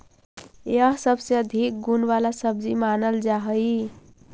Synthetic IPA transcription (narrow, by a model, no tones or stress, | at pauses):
jəɦsəbseəd̪ʱik̚ɡunʋalasəb̚d͡ʒimanəld͡ʒaɦəj